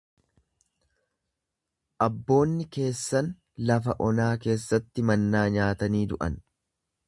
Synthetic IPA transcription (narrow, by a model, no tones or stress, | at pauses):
ʔɐbːo̞ːnːɪke̞ːsːɐn | lɐfɐʔɔnaːke̞ːsːɐt̪ːɪmɐnːaːɲaːt̪ɐniːd̪ʊʔɐ̰n